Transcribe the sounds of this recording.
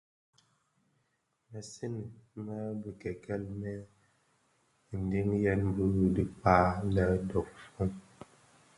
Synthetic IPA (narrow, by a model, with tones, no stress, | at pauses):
mɛ˨si˦n˨mɛ˦bə˨kɛ˨kɛ˦˨lmɛ˦˨ | n̩˨di˦ŋjɛ˦nbu˦ɾu˨di˨paː˦lɛ˨dɔ˨k̚fu˦ŋ